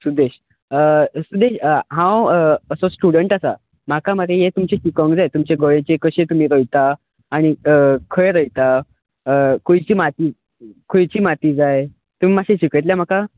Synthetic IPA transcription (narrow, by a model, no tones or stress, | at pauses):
sud̪eɕ | əsud̪eɕɦãwəsosʈuɽəɳʈasa̰ | m̤akaməɾejet̪umt͡ɕeɕikəŋɡd͡zajt̪umt͡ɕeɡəɭẽt͡ɕekəɕẽt̪um̤iːɾəjt̪aː | ɽ̃iəkʰəɭɾəjt̪a | əkʰojt͡ɕiːmat̪iː | kʰojt͡ɕiːmat̪iːd͡zaj | t̪um̤imaɕẽɕikəjt̪ljam̤aka